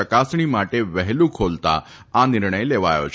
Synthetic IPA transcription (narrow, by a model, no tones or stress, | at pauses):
əkaːsɳ̃imaːʈeʋɛɦlũkʰoːlt̪a̰ | anɪɾɳ̃əjleʋa̰ːjo̰t͡ʃʰ